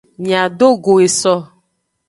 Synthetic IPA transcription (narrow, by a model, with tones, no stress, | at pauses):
mĩ˨a˨ɖo˦ɡo˨e˨sɔ˦